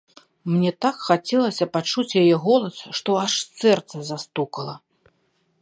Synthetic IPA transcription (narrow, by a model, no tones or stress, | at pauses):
mnʲɛt̪akxat͡sʲɛlˠɐsʲɐpat͡ʂut͡sʲjajɛɣɔlˠɐsʂt̪ɔaʂsɛrt̪sɐzast̪ukɐlˠɐ